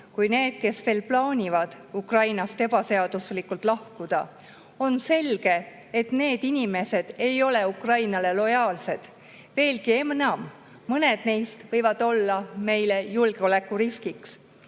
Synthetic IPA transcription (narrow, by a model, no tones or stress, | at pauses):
kujne̞ːd̪̥̚ke̞sve̞ːlplɑːnʲivɑd̪̥ | ukrɑjnɑst̪e̞b̥ɑse̞ɑd̪̥uslikːˑult̪ˑlɑhkud̪̥ɑ | o̞nse̞lɡ̥e̞ | et̪ne̞ːd̪̥inʲime̞se̞d̪̥e̞jo̞le̞ukrɑjnɑle̞lo̞jɑːlse̞d̪̥ | ve̞ːlɡie̞mnɑmː | ɤne̞d̪̥ne̞jst̪vɤjvɑd̪̥o̞lːɑme̞jle̞julɡ̥e̞o̞le̞kːˑuɾiskiks